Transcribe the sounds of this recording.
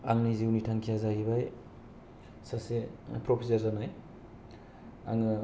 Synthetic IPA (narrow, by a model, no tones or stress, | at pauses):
aŋniziwnitʰaŋkʰijazaɡibaj | sasepɾopʰizaɾzanaj | aŋɯ